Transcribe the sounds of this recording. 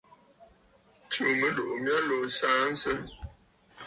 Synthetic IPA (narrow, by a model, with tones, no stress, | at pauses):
tu˨mə˦do˨ʔmja˦lo˨saː˦n̩˦sə˦